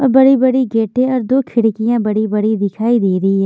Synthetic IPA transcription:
ɔːɾbɐɽibɐɽiɡeːʈẽɔːɾd̪oːkʰɪɽkijãbɐɽibɐɽid̪ɪkʰaːid̪eːɾɐɦiɦɛː

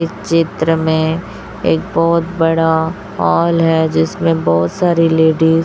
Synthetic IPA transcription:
ɪt͡ʃɪt̪ɾəmẽ | eːk̚bɔːt̪bɐɽa | ɦɔːlɦɛd͡ʒɪsmẽbɔːt̪saːɾileːɖiːz

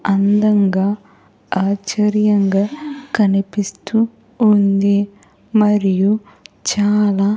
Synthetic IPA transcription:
ɐnd̪ɐŋɡaː | aːt͡ʃɐɾjɐŋɡaːkɐnipist̪uː | nd̪e | mɐɾiju | t͡ʃaːlaː

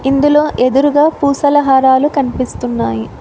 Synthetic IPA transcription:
ind̪ulo̞ːʔe̞d̪uɾuɡaːpuːsɐlɐɦaːɾaːlukɐnipist̪unːaːji

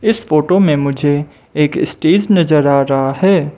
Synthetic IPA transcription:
ɪsfoːʈomẽmʊd͡ʒʱe | eːkɪsʈeːd͡ʒnɐzəɾaːɾɐɦaɦɛː

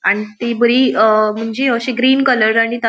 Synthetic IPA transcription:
aɽ̃it̪ibəɾiːəm̤əɳd͡ʑeəɕeɡɾiːnkələɾaɽ̃it̪a

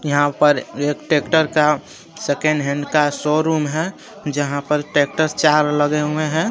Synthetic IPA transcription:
jəɦãpəɾeːkʈekʈəɾka | sekẽɳɖɦɛ̃ɳɖkasoɾuːmɦɛ | d͡ʒəɦãpəɾʈek̚ʈəɾst͡ʃaːɾləɡeɦueɦɛ̃

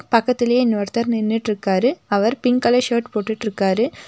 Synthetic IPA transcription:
pɐkːɐt̪ːɪlɐjenːoːɾt̪ːɐɾnɪnːɪʈːɪɾɯkːaːɾɯɐʋɐɾpɪŋkɐlɐʂeːʈpoːʈːɪʈːɪɾɯkːaːɾɯ

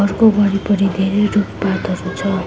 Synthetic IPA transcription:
ʌrkobʌɽipʌɾid̪ʱeɾeruppat̪ʌɾut͡sʰʌ

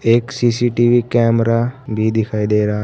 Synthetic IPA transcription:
eːksiːsiːʈiːʋiːkɛːmɾaːbʱiːd̪ɪkʰaːiːd̪eːɾaː

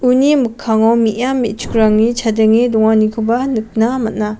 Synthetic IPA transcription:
unimɯkʰːaŋawmijamːit͡ʃu̥kɾaŋnit͡ʃʰadeŋidɔŋanikʰubanɯk̚namɐt̚na

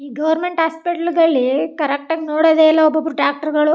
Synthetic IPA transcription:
iːɡɐʋɐɾmeɳʈɦaːspiʈɐlɡɐɭːikɐɾɐk̚ʈaːɡenoːɽɐd̪eːilːɐɔbːɐbːɐɾuʈɾaːk̚ʈɐɾɡɐɭu

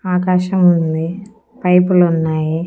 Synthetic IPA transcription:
aːkaːʃɐmund̪i | pɐjpulunːaːji

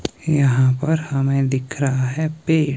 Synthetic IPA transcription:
jɐɦãpɐɾhɐmẽd̪ɪkʰɾɐɦaɦɛpeː

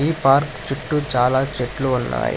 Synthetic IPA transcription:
iːpaːɾkt͡ʃuʈːut͡ʃaːlaːt͡ʃeʈluːnːa̰ːjḭ

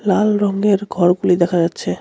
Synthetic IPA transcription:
lalɾɔŋɡeɾɡʱɔɾɡulid̪ɛkʰad͡ʑatːɕʰe

